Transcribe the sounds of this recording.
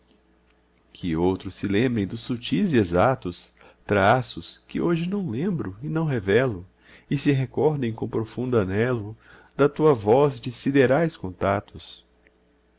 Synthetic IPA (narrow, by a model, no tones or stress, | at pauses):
kʰɪowt̪ɾʊsːɪlẽmbɾẽj̃d̪ʊsːut͡ʃizezat̪ʊs | t̪ɾasʊskɪoʒɪnɐ̃w̃lẽmbɾʊɪnɐ̃w̃ɦevɛlʊ | ɪsɪɦekɔɾd̪ẽj̃kõpɾofũnd̪ʊanɛlʊ | d̪ɐt̪uɐvɔzd͡ʒɪsid̪eɾajskõnt̪at̪ʊs